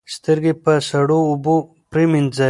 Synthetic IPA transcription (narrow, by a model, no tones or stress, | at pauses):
st̪əɾɡepəsɐɽoːbo | pɾiminza